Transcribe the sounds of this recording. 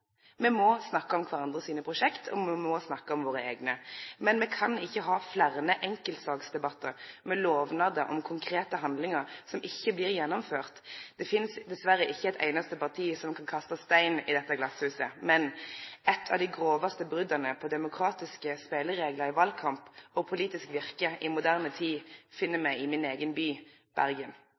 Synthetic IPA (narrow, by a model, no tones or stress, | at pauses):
mɛmɔsnɑkːəɔmkʰʋɑʁɑnd̪ʁəsiːnəpʰʁʊʂɛkt̪ʰɔ̰mɛmɔsnɑkːəɔmʋoːɾəeːɡnəmɛnmɛkʰɑnɪçːəɦɑːflæʁnəʔɛŋkəlt̪sɑːɡsd̪ɛbɑt̪ːəɾmɛloːʋnɑd̪əʔɔmkʰʊŋkʰɾeːt̪əɦɑnd̪lɪŋəɾsɔmʔɪçːəblɪːʁjɛnːɔmføːʁt̪d̪̥ɛfɪnsd̪ɛsʋæɾəʔɪçːəɛt̪ʰæ̰ɪnɑst̪əpɑʁt̪ʰiːsɔmkʰɑnkʰɑst̪ɑst̪æɪnɪd̪ɛt̪ːəɡlɑshʉːsəmɛnɛt̪ʰɑ̰ʋd̪ɪɡʁoːʋɑst̪əbʁʏd̪ɑnəpʰɔd̪ɛmʊkʰɾɑːt̪ɪskəspeːləɾeːɡləɾɪʋɑlkʰɑmpɔpʰʊliːt̪ɪskʋɪʁkəʔɪmʊd̪æʁnət̪ʰiːfɪnːəmæɪɪmɪneːɡənbyː | b̥æ̰ʁɡən